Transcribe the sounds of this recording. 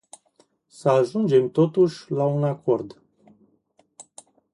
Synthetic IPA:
səaʒund͡ʒe̞mt̪o̞t̪uʃʲlaunako̞rd̪

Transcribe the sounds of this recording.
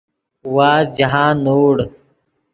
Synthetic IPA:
waːzd͡ʑɐɦãːnoːɽ

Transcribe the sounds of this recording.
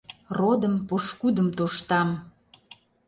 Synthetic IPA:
rod̪əmpoʃkud̪əmt̪oʃt̪ɑm

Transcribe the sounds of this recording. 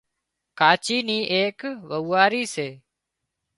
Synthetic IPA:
kaːt͡ʃiːniːʔeːkʋəʋːaːɾiːseː

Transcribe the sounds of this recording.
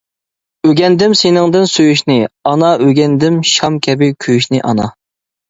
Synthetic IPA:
øɡʲɛnd̪ɪmsenɪŋd̪ɪnsøjyʃnɪɑnɑʔøɡʲɛnd̪ɪmʃɑmkʲʰɛbɪkʲʰøjyʃnɪʔɑ̰nɑ

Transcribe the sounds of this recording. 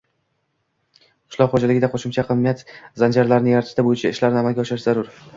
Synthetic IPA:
qʰʊ̥ʃlˠɒqχod͡ʒalɪɡʲɪd̪aqʰoʃɪmt͡ʃʰaqʰɨnmːijat̪zand͡ʒaɾlaɾnɪjaɾt̪ʰɪ̥ʃt̪abojɪt͡ʃʰaɪʃlaɾnɪamalɡʲaɒʃɪɾɪʃz̥aɾʊɾ

